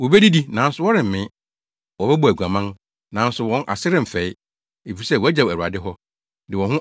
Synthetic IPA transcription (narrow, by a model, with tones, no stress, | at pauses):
wo˨be˦di˦di˦nã˨˦n̩˦sʊ˨wɔ˦ɾɪ̃˨m̩˨mɪ̃˦ | wɔ˨bɛ˦bu˦˨æ˨ɡʷu˨ã˨mã˦n | nã˨˦n̩˦sʊ˨wɔ̃˦nʔa̰˨sɪ˦ɾɪ̃˦m̩˨fɛ˨˦ɪ˦ | e˨fi˨i˨sɛ˦˨wɔ˨˦æ˦d͡ʑa˨æ˨ɾu˨a̰˨dɪ˦ɦɔ˦ | dɪ˨wɔ̃˨hʊ̃˦